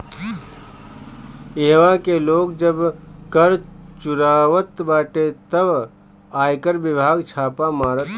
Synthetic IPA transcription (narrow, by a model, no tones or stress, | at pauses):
eɦʋakeloːɡd͡ʒəbkəɾt͡ʃʊɾaːʋət̪baːʈet̪əb | aːjkəɾbɪbʱaːɡt͡ʃʰaːpamaːɾət̪